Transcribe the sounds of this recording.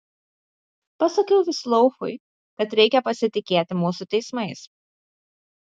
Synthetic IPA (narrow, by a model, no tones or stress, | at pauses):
pɐsɐkʲɛʊʋʲɪslˠɔʊxʊ̰ɪ | kɐt̪ɾʲɛɪkʲɛpɐsʲɪt̪ʲɪkʲeːt̪ʲɪmuːsʊt̪ʲɛɪsmɐɪs